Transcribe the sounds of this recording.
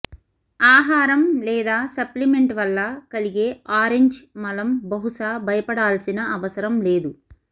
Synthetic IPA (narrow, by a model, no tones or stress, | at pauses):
aːɦaːɾɐmlɛːd̪aːsɐplime̞ɳʈʋɐlːɐkɐliɡeːaːɾeɲd͡ʒmɐlɐmbɐɦuʂaːbʱɐjɐpɐɽaːlsinɐɐʋɐsɐɾɐmle̞ːd̪u